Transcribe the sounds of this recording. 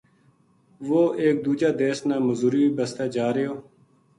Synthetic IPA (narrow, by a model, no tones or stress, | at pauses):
ʋoːʔeːk̚d̪uːd͡ʒaːd̪eːsnaːməzuːɾiːiːbəst̪aːd͡ʒaːɾɪjoː